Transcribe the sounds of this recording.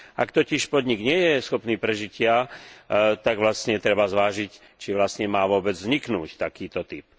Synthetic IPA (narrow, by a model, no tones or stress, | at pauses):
ʔakt̪ɔciʃpɔd̪ɲiɡɲɪɛjɛsxɔpniːpɾɛʒicɪa | t̪aɡʋlastɲɛt̪ɾɛbazʋaːʒic | t͡ʃiʋlastɲɛmaːʋʊɔbɛd͡zzɲiknuːct̪akiːt̪ɔt̪ip